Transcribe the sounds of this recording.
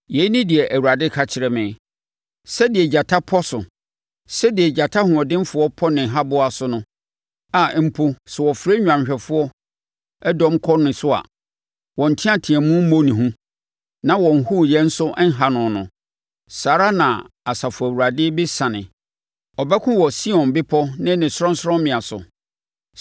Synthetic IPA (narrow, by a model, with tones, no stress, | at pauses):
jɛ˨i˦nĩ˦dɪ˨ɛ˨ʔæ˨wu˨ɾa˨dɪ˦kʰa˨t͡ɕʰɪ˨ɾɛ˨mɪ̃˨ | sɛ˦dɪ˨ɛ˨d͡ʑa˨tʰa˦pʰɔ˦sʊ˨ | sɛ˦dɪ˨ɛ˨d͡ʑa˨tʰa˦hʊ̃˨ɔ˨dɪ̃˦mfʊ˦ɔ˦pʰɔ˦nɪ̃˨ɦa˦bʊ˦a˨sʊ˦nʊ̃˦ | a˨˦m̩˦pʰo˦sɛ˨wɔ˨fɾe˦ɲᶣã˨mɕᶣɛ˨fʊ˦ɔ˦ | ɛ˦dɔ̃˦mkʰɔ˦nɪ̃˨sʊ˦a̰˨ | wɔ̃˨n̩˨tʰɪ̃˦ã˦˨tʰɪ̃˨ɛ˨mũ˦m̩˦mõ˦nĩ˨ɦũ˦ | nã˦wɔ̃˨n̩˨hu˦˨jɛ˦n̩˦sʊ˦ʔɛ˦ŋ̩˦ɦa˨nʊ̃˨nʊ̰̃˨ | saː˨ɾa˦nã̰˨a˨sa˨fʊ˨æ˨wu˨ɾa˨dɪ˦bɪ˦sã˨nɪ̃˨ | ɔ˨bɛ˦kʰʊ̃˦wɔ˨si˦ɔ̃˨nbɪ˦pʰɔ˦nɪ̃˦nɪ̃˨sɔ̃˦n˦sʊ˦ɾɔ̃˦mmɪ̃˨a˨sʊ̰˨